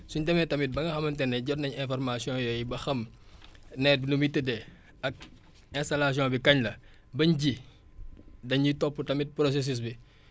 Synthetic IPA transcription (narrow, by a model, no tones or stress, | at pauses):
suɲtɛmɛtɐmit̚bɐŋɡɐxɐmɐntɛnːɛɟɔtnɐɲɛ̃nfɔrmasjɔ̃jɔjibɐxɐm | nɛt̚binumitːədɛ | ɐk̚ | ɛ̃nstalaːs̬jɔ̃ːbikɐɲlɐ | bɐɲɟi | dɐɲitɔpːutɐmit̚pɾos̬es̬is̬bi